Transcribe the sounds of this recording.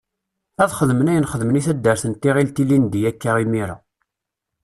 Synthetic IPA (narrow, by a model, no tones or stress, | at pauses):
æðχəðmənæjənχəðməniθæd̪ːəɾθənt̪iʁilt̪ilːind̪ijækːaʁimiɾa̰